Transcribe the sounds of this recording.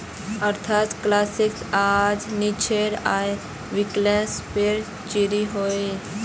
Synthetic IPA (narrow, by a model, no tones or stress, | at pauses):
əɾt̪ʰat̪klasiksad͡znit͡ɕʰeɾa̰j | ʋiklɛ̃speɾ | t͡ɕiɾiɦoi